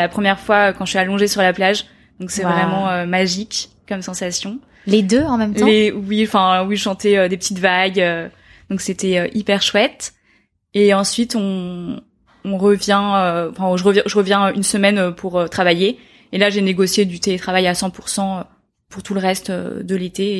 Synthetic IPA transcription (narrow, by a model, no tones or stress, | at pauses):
apχəmjɛʁfwaøkɑ̃ʒəsyalɔ̃ʒesyʁlaplaʒ | d̪ɔ̃ksɛvvʁɛmɑ̃ømaʒik | kːɔmsɑ̃sasjɔ̃ | led̪øɑ̃mɛmt̪lewiɑ̃fɛ̃wiʒəʃɑ̃t̪ɛød̪epət̪it̪vaɡø | d̪̥ɔ̃kset̪ɛøʔipɛʁʃwɛt̪ | eɑ̃sɥit̪ɔ̃ | ʁəvjɛ̃øɑ̃fɛ̃ʒəʁəvjɛ̃ʒəʁəvjɛ̃øynsəmɛnøpʰuʁøt̪χavaje | elaʒeneɡɔsjed̪yt̪elet̪χavajasɑ̃puʁsɑ̃ø | puʁt̪uləʁɛst̪ø̰d̪əlet̪e